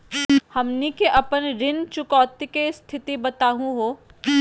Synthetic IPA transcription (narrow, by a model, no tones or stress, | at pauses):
hɐmnikeʔɐpənɾɪnt͡ʃʊkɔːt̪ikest̪ʰɪt̪ibɐt̪aːɦũɦoː